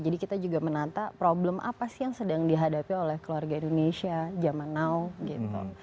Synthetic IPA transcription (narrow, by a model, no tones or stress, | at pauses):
d͡ʒadikit̪ad͡ʒuɡamənat̪apɾoblɛmʔa̰pasijaŋsədaŋdiɦadapiolɛhkəluarɡaindonesiad͡ʒamanawɡit̪ṵ